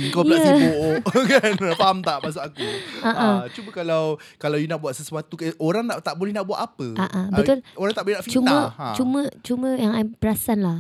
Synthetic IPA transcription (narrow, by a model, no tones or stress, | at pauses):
kailaəsiboʔoʔkanapaɦamt̪aʔmas̬ʊkakuaʔat͡ʃubəkalaw | kalawjunaʔbuat̪̚səsuat̪ukoɾaŋnaʔt̪aʔbolɛhnaʔbuat̪apəʔaʔabət̪ʊloɾaŋt̪aʔbolɛhnaʔfit͡ʃumə̃t͡ʃumə̃t͡ʃumə̃jaŋapəɾasanlah